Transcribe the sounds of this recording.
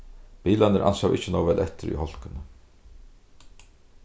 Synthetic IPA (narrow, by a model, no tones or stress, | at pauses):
piːlanəɾʔa̰nsawʔɪ̰hcːənɔːvɛlʔɛt̪ɪɾḭhɔl̥kʏnə